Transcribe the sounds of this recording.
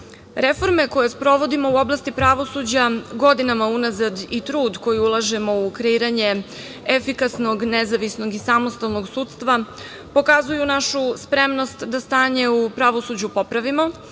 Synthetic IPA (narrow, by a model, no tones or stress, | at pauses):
ɾe̞fo̞ɾme̞ko̞je̞spɾo̞ʋo̞d̪imo̞uo̞blˠast̪ipɾaʋo̞sud͡ʑaɡo̞d̪inamaunazad̪it̪ɾuːd̪ko̞jiulˠaʒe̞mo̞ukɾeiːɾaɲe̞ | efikasno̞ɡnezaʋisno̞ɡisamost̪alˠno̞ɡsuːt̪st̪ʋa | po̞kazujunaʃuspɾe̞mno̞st̪d̪ast̪aːɲe̞upɾaʋo̞sud͡ʑupo̞pɾaʋimo̞